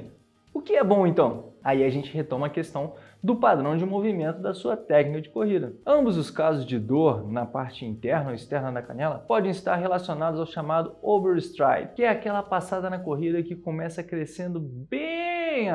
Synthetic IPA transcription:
ʊkɪɛbõẽnt̪ɐ̃w̃aiaʒẽnt͡ʃɪɦet̪õmɐːkest̪ɐ̃w̃ | d̪ʊpad̪ɾɐ̃w̃d͡ʒɪmovimẽnt̪ʊd̪ɐsuɐt̪ɛknikɐd͡ʒɪkohid̪ɐɐ̃mbʊzʊskazʊzd͡ʒɪd̪oɾnɐpaɾt͡ʃɪĩnt̪ɛɾnɐoist̪ɛɾnɐnɐkɐ̰nɛlɐpɔd̪ẽɪst̪aɾɦelasionad̪ʊzawʃamad̪ʊobeɾst̪ɾa̰jpkɪɛakɛlɐpasad̪ɐnɐkoɦid̪ɐkɪkõmɛsɐkɾesẽnd̪ʊbẽ

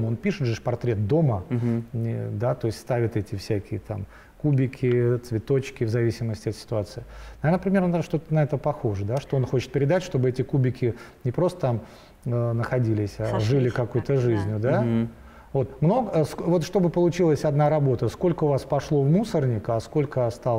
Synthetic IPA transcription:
monpʲiʂɨt̪ʐɨʂpɐrt̪ɾʲe̞t̪̚d̪o̞mənʲɪd̪at̪o̞ɪsʲtʲst̪avʲɪt̪ɛtʲɪfsʲækʲɪjət̪a̰m | kubʲɪkʲɪt̪svʲɪt̪o̞t͡ɕkʲɪvzɐvʲisʲɪməsʲtʲɪɐt̪sʲɪ̥t̪ʊat̪sɨɪnɐvʲenəpɾʲɪmʲe̞rnʂt̪o̞t̪ənɐɛt̪əpɐxo̞ʐəd̪aʂt̪oonxo̞t͡ɕɪt̪̚pʲɪɾʲɪd̪atʲʂt̪o̞bɨɛtʲɪkubʲɪkʲɪnʲɪpɾo̞st̪ət̪am | ənəxɐdʲilʲɪsʲaʐɨlʲɪkɐkujt̪əʐɨzʲnʲʊd̪a | vo̞t̪mno̞ɡəsvo̞t̪ʂt̪o̞bɨpəlˠʊt͡ɕilˠəsʲɐd̪naɾɐbo̞t̪əsko̞lʲkəʊvaspɐʂlˠo̞vmusərnʲɪkɐsko̞lʲkəɐst̪alˠ

